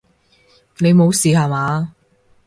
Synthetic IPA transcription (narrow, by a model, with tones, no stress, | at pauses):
ne˨˧jmo˨˧wsiː˨haː˨˩maː˨˧